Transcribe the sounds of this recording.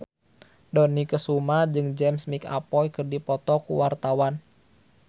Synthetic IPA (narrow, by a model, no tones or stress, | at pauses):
dɔnikəsumad͡ʒɨŋd͡ʒɛmsmika̰pɔjkɨrdipɔt̪ɔkṵwart̪awan